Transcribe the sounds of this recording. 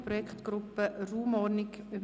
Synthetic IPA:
pɾɔjɛkχt̪ɡ̥ɾʊpːəruːmɔɾnɪk | yb

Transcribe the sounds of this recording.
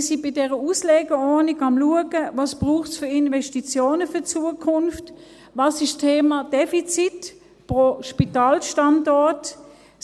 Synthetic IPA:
sibɪdɛʁəuslɛːɡəɔɐniɡɑmluəɡəvɑːsb̥ʁuːχtsfyɐinvɛʃtit͡sjoːnəfyɐt͡suəkʰʊnft | vɑːsɪʃstʰeːmɑd̥ɛfit͡sit | pʁoʃpitɑːlʃtɑndɔɐt

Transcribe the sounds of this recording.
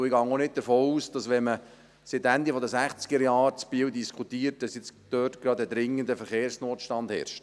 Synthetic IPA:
ɪɡɑŋɔnɪt̚d̥̪əɾfoːuːsd̥ɑsʋɛmə | sɪtænd̪ifɔdəsæχt͡sɡ̥əɾjɑːɾt͡sbiːwd̪iskʰutiːət̚d̥ɑsjɪt͡sd̥øːtɡ̥ɾɑd̪əd̪ɾɪŋːənd̪əfəɾχeːɾsnoːt̪ʃtɑnd̥hɛ̰ɾʃt

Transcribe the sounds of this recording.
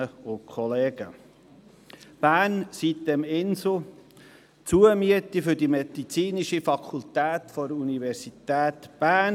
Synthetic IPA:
əʊkʰχɔleːɡ̥ə | b̥æːnsitdɛmɪnso | t͡suəmyətifʏɾdimɛd̥it͡siːniʃifɑkʰult̪æːt̪fɔɾunivɛɾsitɛːt̪b̥æn

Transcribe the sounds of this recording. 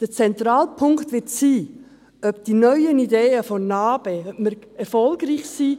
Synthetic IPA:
d̥ət͡sɛnt̪ɾaːlpʰʊŋktʋɪtsiː | œb̚d̥inœʏənideːəfɔnɑːb̥ɛœməɾ | ɛɾfɔlɡɾiːçsiː

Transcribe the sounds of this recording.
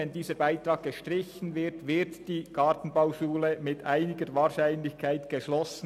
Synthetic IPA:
ɛndiːzəɾbaɪtɾɑːɡ̚ɡ̥əʃtʁɪçən̩vɪɾtvɪɾtd̥iːkɑːtn̩baʊʃuːləmɪtaɪnɪɡəɾvɑːʁʃaɪnlɪçkʰaɪtɡ̥əʃlɔsn̩

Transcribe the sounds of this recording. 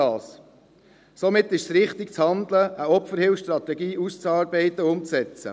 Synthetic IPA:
ɑːs | somɪt̪ːɪʃsɾɪχt̪ɪk̚t͡shɑnd̪ləʔəɔpfəɾhɪlfʃtɾɑt̪ɛɡiːʔust͡sɑːɾbɛɪt̪əʊmt͡sɛt͡sə̰

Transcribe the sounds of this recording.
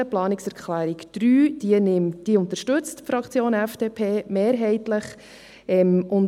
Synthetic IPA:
əplɑːnɪksɛɾkχlæːɾikd̥ɾyːd̥iənɪmd̥iəʊnt̪əɾʃtɵt͡stfɾɑkt͡sjoːnɛfd̥eːpʰeːmeːɾɦɛɪtləχ | ɛmʔʊn

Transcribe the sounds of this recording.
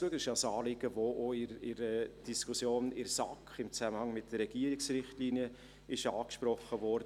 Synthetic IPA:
uəɡɪʃɑsɑːlɪɡ̥əvoʔoɪɾɪɾəd̥iskʰusjoːnɪɾsɑkχɪmt͡sæməhɑŋmɪt̚d̥ərːɛɡ̥iːəɾɪksrɪχtliːnjə | ɪʃɑːkʃpɾɔχəvɔɾdə

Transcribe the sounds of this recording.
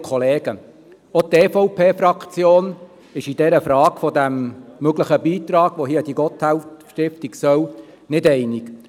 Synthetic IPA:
kʰχɔleːɡ̥ə | ɔt̪eːfɔʊpʰeːfɾɑkt͡sjoːn | ɪʃid̥ɛɾəfɾɑːɡ̥fɔd̪æmːøɡləχəbiːt̪ɾɑːɡ̥ʋoɦiəd̥iɡɔt̪hælʃtɪft̪iksœw | nɪdɛɪnik

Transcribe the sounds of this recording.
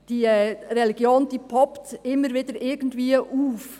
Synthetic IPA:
d̥iːɛɾɛliɡ̥joːnd̥iːpʰɔptɪmːəɾviːdəɾʔɪɡəndviːʔuːf

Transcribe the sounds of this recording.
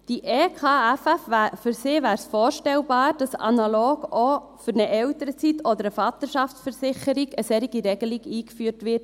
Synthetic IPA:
d̥iʔekʰɑːæfæfæfʏɾsɪːʋæːɾsfoːɾʃtɛlbɑːɾd̥ɑsɑ̰nɑloːɡo | fʏɾnəʔɛltəɾət͡sitɔd̪əɾəfɑt̪əʃɑftsfəɾsɪχəɾiɡəsɛɾiɡiɾɛɡəliɡiːkfyːɾtʋɪɾt

